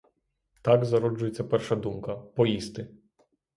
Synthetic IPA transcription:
t̪aɡzɐɾɔd͡ʒʊjet͡sʲːɐpɛrʃɐd̪umkɐpɔjist̪ɪ

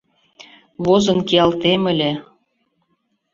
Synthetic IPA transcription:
βozɤ̆nkiɑlt̪emə̆lʲe

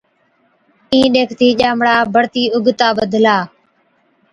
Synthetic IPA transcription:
ĩːɗeːkʰt̪iːʄaːmɽaːbʱəɽt̪iːʊɡt̪aːʋəd̪ʱlaː

